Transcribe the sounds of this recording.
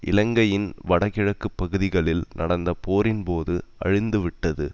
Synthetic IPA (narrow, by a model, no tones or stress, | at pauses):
ʔɪ̰lɐŋɡɐjɪnʋɐɽɐɣɪɻɐkːɯpːɐɣɯðɪɣɐɭɪlnʔɐɽɐnd̪ɐpoːɾɪnpoːðɯɐ̰ɻɪnd̪ɯʋɪʈːɐðɯ